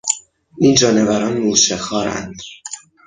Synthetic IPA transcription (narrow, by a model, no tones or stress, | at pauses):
iːnd͡ʒɒːnevæɾɒːnmuːʃexɒːɾæ̰nd̪̥